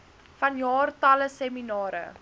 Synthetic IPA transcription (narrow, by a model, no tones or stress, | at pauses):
fɐnjɑːrtɐləsɛminɑːɾə̰